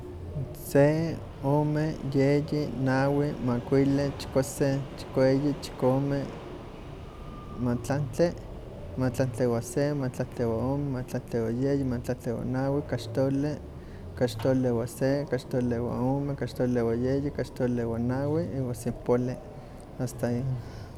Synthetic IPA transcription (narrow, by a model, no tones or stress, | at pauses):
se | oːmejejinawimakʷilet͡ʃi̥koset͡ʃi̥koejit͡ʃi̥kome | mat͡ɬant͡ɬe | mat͡ɬant͡ɬewasemat͡ɬant͡ɬewaoːmemat͡ɬant͡ɬewajejimat͡ɬant͡ɬewa̰nawikaʃt̪ole | kat͡ʃt̪olewasekaʃt̪olewa̰oːmekaʃt̪olewajejikaʃt̪olewanawiiwasempole | ast̪ai